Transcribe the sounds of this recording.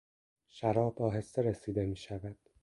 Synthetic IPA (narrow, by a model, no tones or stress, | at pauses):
ʃæɾɒːbɒːɦe̞sːeɾesiːd̪e̞miːʃævæd̪̥